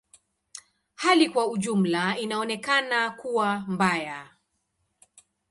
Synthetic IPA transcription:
halikwauʄum̩lainaɔnɛkanakuwambaja

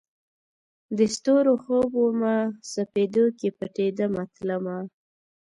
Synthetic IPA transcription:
d̪əst̪oɾoxobomasaped̪okepəʈed̪əmat̪lama

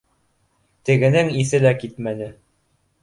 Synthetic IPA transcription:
t̪ɘ̆ɡɘ̆nɘŋiθɘlækit̪mænɘ

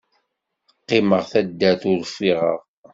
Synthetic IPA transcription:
əqːɪməʁθæd̪ːæθʊɾfiʁəʁ

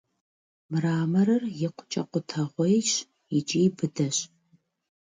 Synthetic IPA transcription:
mɨraːmɐɾɐrjɪqʷʊ̥t͡ʃʼɐqʷʊtʰɐʁʷɔjɪt͡ʃ | ɪt͡ʃʼiːbɨdɐɕ

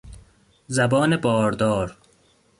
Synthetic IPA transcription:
zæbɒːnebɒːɾd̪ɒːɾ

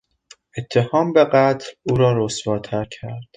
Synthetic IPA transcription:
ʔe̞t̪ʰːe̞hɒːmbe̞ɢæt̪ʰluːɾɒːɾosvɒːt̪ʰæɾcʰæɾd̪̥

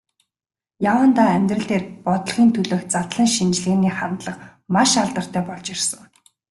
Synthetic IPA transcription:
jawə̆nt̪aːæmʲt̪rə̆ɮt̪eːrpɔt̪ɞ̆ɮχiːnt̪ʰɵɮoːk̪̚t͡sat̪ɮə̆ŋʃint͡ɕɮeːniːχant̪ɮə̆q | maʃaɮt̪ə̆r̥t̪ʰæːpɔɮt͡ɕirsə̆ŋ

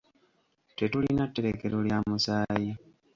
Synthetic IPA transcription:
te̞tulinatːe̞ɾeke̞ɾoljamusaːji

